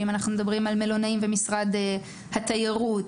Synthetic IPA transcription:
imanaχnumed̪abʁimalme̞lo̞naimve̞misʁade | hat̪ajeʁut

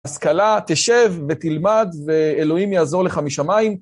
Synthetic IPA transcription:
askalat̪eʃevːe̞t̪ilmad̪ve̞elo̞imjaːzo̞leχamiʃamaim

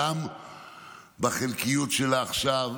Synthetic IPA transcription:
am | baχelkijutʃelaːχʃav

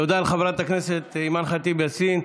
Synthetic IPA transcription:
od̪aːlχavɾat̪akneset̪imanχat̪ibesin

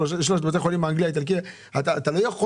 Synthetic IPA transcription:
oʃloʃt̪bot̪eχolimeaŋɡlijait̪alk̬i | at̪at̪alojaχo

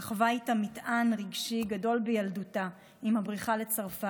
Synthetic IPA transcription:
aχvajtamitanʁiɡʃiɡado̞lbejalduta | imabʁiχalet͡saʁfa

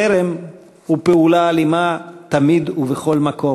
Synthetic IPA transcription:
eɾem | hupeulaːlimat̪amid̪uveχo̞lmako̞

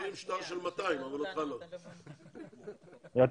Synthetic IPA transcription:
limʃt̪aʁʃ̬elmat̪aimavalot̪χalo | ja

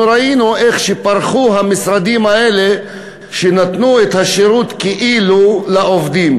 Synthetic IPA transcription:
uɾainuʔeχʃepaɾχuɦamisɾad̪imaele | ʃenat̪nuet̪haʃeɾut̪keʔilulaovd̪im

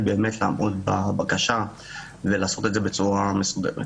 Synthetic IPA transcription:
be̞ːme̞tlaamʔot̪babakaʃa | velaːso̞t̪ed̪zebe̞t͡suʁamesud̪ḛmet

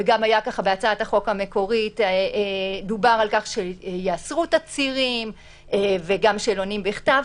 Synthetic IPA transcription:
eɡamajakaχabeat͡saataχo̞kame̞ko̞ʁitː | d̪ubaʁalkaχʃejaasʁutat͡siʁim | eveɡamʃelo̞nimbeχtav

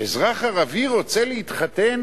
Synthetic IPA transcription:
ezʁaχaʁaviʁo̞t͡seleit̪χat̪en

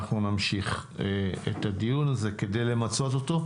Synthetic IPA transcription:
χnunamʃiχeḛt̪ad̪ijunaze̞ke̞de̞jle̞mat͡so̞t̪o̞t̪o̞

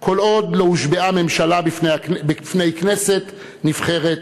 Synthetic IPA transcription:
kʰo̞lo̞d̪louʃbeame̞mʃalabifnebefne̞jknese̞t̪ | nifχe̞ʁet̪

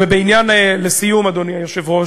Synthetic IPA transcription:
vebeinjanelesijumad̪oniajoʃevʁo

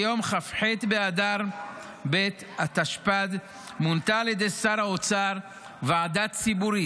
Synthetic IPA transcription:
jo̞mχafħet̪bead̪aʁ | bet̪ | at̪aʃpad̪ | munt̪aːljed̪ejsaɾaot͡saʁ | veʕad̪at̪t͡sibuɾi

